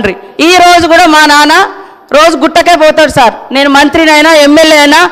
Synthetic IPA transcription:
ɾi | iːɾo̞ːd͡ʒukuːɽaːmaːnaːnɐ | ɾoːd͡ʒuɡuʈːɐkːeːp̬oːt̪aːɽusaːɾne̞ːnumɐnt̪ɾinɐjnɐemːelːeːnːɐ

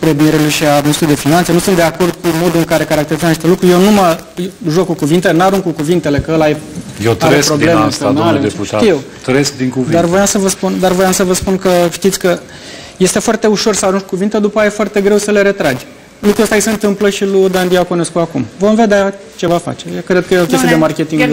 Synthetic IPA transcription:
pɾed̪mieɾulujʃianost̪ud̪e̞finant̪senusunt̪d̪e̞ako̞rd̪kumo̞d̪uɨŋkaɾe̞kaɾak̚t̪e̞ɾizemat͡ʃe̥ʃt̪e̞lukɾujewnumə | ʒokːukuvint̪enaɾuŋkːukuvint̪e̞le̞kəəlajjet̪aɾespɾoblemsanaled̪eputʃt̪at̪iwt̪ɾesk̚d̪iŋkuvdd̪arvojamsəvəspund̪arvojamsəvəspunkəʃt̪it̪sʲkə | je̞st̪e̞fwart̪e̞uʃo̞rsəaɾunʒkkuvint̪ed̪upajefwart̪e̞ɡɾe̞wsəle̞ɾe̞t̪ɾad͡ʒ | lukɾuəst̪ajeseɨnt̪ɨɨmpləʃilud̪and̪iakoneskuakumvomve̞d̪eat͡ʃe̞vafa̰t͡ʃe̞kɾed̪̚kəjeokʲet̪ed̪emarkʲe̞t̪iŋɡ

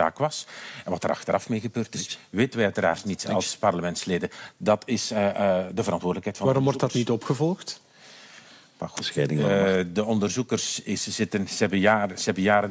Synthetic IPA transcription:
a̰ːkʋɑsɛnʋɑtəɾɑ̰xtəɾɑfmeːɣəbøːrtɪsʋeːtənʋɛjœtəɾa̰ːrtnitsɑlˠspɑrləmɛntsleːdəndɑtʰɪsdəvəɾɑntʋʊːrdələkɦɛjtfɑnʋaːɾɔmʋɔrtdɑtnitɔpxəvɔlˠxt | paxsɛ̰dɪŋdəɔndərzukərsɪszɪtənzɛbəazəɛbəjaːɾə

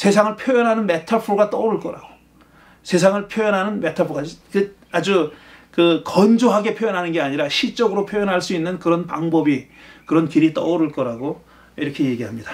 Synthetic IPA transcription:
sʰe̞s̬ʰaŋɯɭpʰjojʌnɦanɯnme̞tʰapʰuɭɡat͈ʌɾuɭk͈ʌɾa̰ɡo̥ | sʰe̞sʰaŋɯɭpʰjojʌnɦanɯnme̞tʰapʰuɡakɯ | ad͡ʑukɯkʌnd͡ʑoɦaɡe̞pʰjojʌnɦanɯnɡeaɲiɾaɕʰit͡ɕ͈ʌɡɯɾopʰjojʌnɦaɭs͈uinːɯnkɯɾʌnpaŋbʌbi | kɯɾʌnkiɾit͈ʌɾuɭk͈ʌɾaɡo | iɾʌkʰe̞je̞ɡiɦamɲid̥a

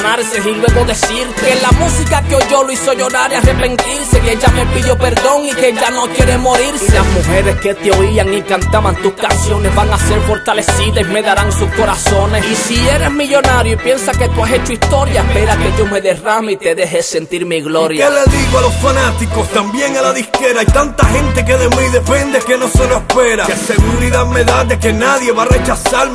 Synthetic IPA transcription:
naɾsesilweβo̞ðe̞siɾt̪elamusikakeoʝo̞loisoʝo̞naɾjare̞pe̞nt̪iɾsekeeʝame̞piðjo̞pe̞ɾðo̞ŋikeʝano̞kje̞ɾemo̞ɾiɾsselasmuhe̞ɾe̞ske̞t̪eo̞iaŋeŋkant̪aβant̪uskansjo̞ne̞zβaŋase̞ɾfo̞ɾt̪ale̞siðosime̞ðaɾaŋsusko̞ɾaso̞nesisie̞ɾe̞smiʝo̞naɾjoipje̞nsake̞t̪uase̞t͡ʃoist̪o̞ɾjaehpe̞ɾakeðjome̞ðe̞rameit̪e̞ðeɦese̞nt̪iɾmiɣlo̞ɾjaeleðiɣoalo̞sfanat̪iko̞st̪ambje̞ŋalaðihke̞ɾaijt̪ant̪ahe̞nt̪e̞ke̞ðemiðefe̞nd̪eke̞no̞seloespe̞ɾakese̞ɣuɾiðame̞ðad̪eke̞naðje̞βare̞t͡ʃasaɾm

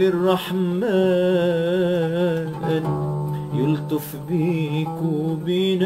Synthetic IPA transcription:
ɪrˤːɑħmaː | ʔnjʊlt̪ˤɑfbiːkʊbiːn

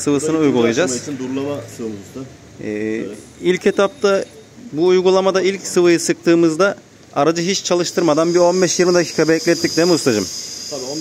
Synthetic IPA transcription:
sɯvɯsɯnɯujɡulˠajad͡ʒazd̪uɾlˠamasɯzd̪a | ɛ | ilʲcʰet̪ʰap̚t̪ʰa | buːjɡulˠamad̪ailʲcsɯvɯjɯsɯk̚t̪ʰɯːmɯzd̪a | aɾad͡ʒɯɦit͡ʃt͡ʃʰalˠɯʃt̪ʰɯɾmad̪anbiɾo̞nbɛʃjiɾmid̪acʰiːkʰabɛclʲɛt̪ʰːic̚td̪emust̪ʰad͡ʒɯm

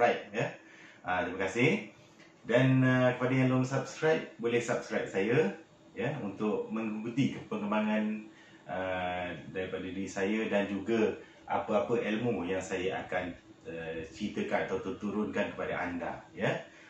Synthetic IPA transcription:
kɾajt̚jə | ʔat̪ɾimakasɪh | danəkə̥padajaŋlamsap̚skɾajp̚bolɛhsap̚skɾajʔ̚sajə | jaunt̪ʊʔmə̃ŋuɡut̪ikəpəŋəmbaŋãn | ədaɾipadədiisajadand͡ʒuɡa | ʔa̰pəapəʔɛlmujaŋsajaʔakanət͡ʃit̪əkanat̪awt̪ət̪uɾʊnkankə̥padaʔa̰nda̰ja

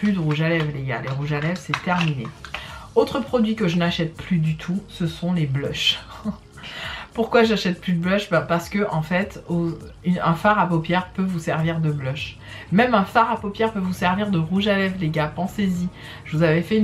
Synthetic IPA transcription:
lyd̪əʁuʒalɛvleɡa̰leʁuʒalɛvsɛt̪ɛʁmineot̪χəpχɔd̪ɥik̬əʒənaʃɛt̪̚plyd̪yt̪ʰusəsɔ̃leblœʃ | puʁkwaʒaʃɛt̪̚plyd̪əblœʃbãpaʁsə̥kəʔɑ̃fɛt̪oyɛ̰̃faʁapopjɛʁpøvusɛʁviʁd̪əblœʃ | mɛmɛ̃faʁapopjɛʁpøvusɛʁviʁd̪əʁuʒalɛvleɡapɑ̃sezi | ʒəvuzavefɛ

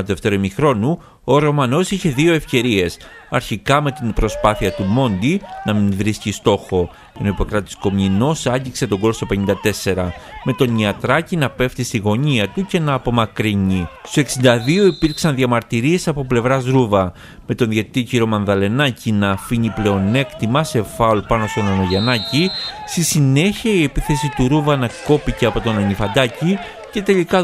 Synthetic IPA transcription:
t̪uðeft̪e̞ɾomixɾo̞nu | oɾo̞mɐno̞siçe̞ðio̞e̞fce̞ɾie̞s | ɐɾçikɐme̞t̪inbɾo̞spɐθiɐt̪umo̞nd̪inɐminvɾiscist̪o̞xo̞ | eno̞ipo̞kɾɐt̪i̥sko̞mɲino̞sɐɟikse̞t̪oɡo̞lost̪ope̞ɲind̪ɐt̪e̞se̞ɾɐme̞t̪o̞ɲiɐt̪ɾɐcinɐpe̞ft̪ist̪iɣo̞ɲiɐt̪uce̞nɐːpo̞mɐkɾiɲist̪oeksind̪ɐðio̞ipiɾksɐnðʝɐmɐɾt̪iɾie̞sɐpo̞ple̞vɾɐzɾuvɐ | me̞t̪o̞nðjɐt̪iciɾo̞mɐnðɐle̞nɐcinɐːfiɲiple̞o̞ne̞kt̪imɐse̞fɐolpɐno̞st̪o̞nɐno̞ʝɐnɐcist̪isine̞çiɐie̞piθe̞sit̪uɾuvɐnɐko̞pice̞ɐpo̞t̪o̞nɐɲifɐd̪ɐci | ce̞t̪e̞ʎikɐ

